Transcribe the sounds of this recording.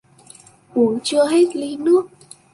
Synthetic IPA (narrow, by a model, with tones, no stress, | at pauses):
ku˨˩ət͡ɕɨ˧əɦe˦˥t̚li˧˦nɨ˦˥ək̚